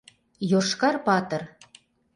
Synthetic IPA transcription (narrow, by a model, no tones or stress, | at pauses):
joʃkɑrpɑt̪ɤ̆r